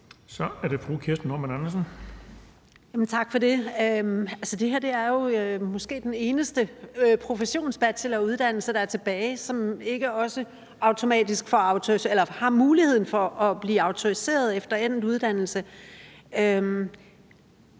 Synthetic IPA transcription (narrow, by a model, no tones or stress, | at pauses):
sɒ̽æɐɾ̥e̝fʁukʰiɐsd̥n̩nɒmænænɐs̬ən | jæmn̩t͡sʰɑ̈ɡ̥fɒ̽ɾe̝øælsəd̥e̝ɦæɐd̥e̝æɐjo̝ømɔ̽sɡ̥e̝̰ːd̥ene̝ːnəsd̥əpʰʁo̝fəɕo̝̰ːnsb̥æd̥sʰelɐuð̞ˠd̥æn̰l̩səd̥ɑ̈æɐt͡sʰe̝b̥ɛːɪsɒ̽me̝ɡ̥əɒ̽sə | ɑ̈ʊt͡sʰo̝mɛ̰ːdisɡ̥fɒ̽ɑ̈ʊt͡sʰo̝ielɐhɑ̈muːlihe̝ð̞̰ˠn̩fɒɒ̽b̥liːɑ̈ʊt͡sʰo̝ʁise̝̰ːɐð̞̩ˠefd̥ɐen̰̩ˠuð̞ˠd̥æn̰l̩sə | øm